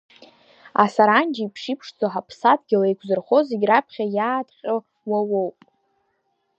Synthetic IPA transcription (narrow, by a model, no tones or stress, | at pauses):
a̰saɾand͡ʒaipʰʂipʰʂd͡zoħapʰsadɡʲɪlajkʷʰzɨrχo̞zeɡʲrapʰχʲajaːtʼqʲʼə | wawowpʼ